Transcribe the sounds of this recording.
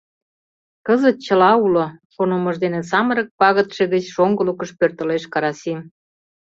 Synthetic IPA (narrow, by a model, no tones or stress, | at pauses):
kəzət̪̚t͡ɕə̆lɑulokonomə̆ʒd̪enes̬ɑməɾək̚pɑɣət̪ʃeɣət͡ɕʃoŋɡəlukəʃpørt̪ə̆leʃkɑɾɑsim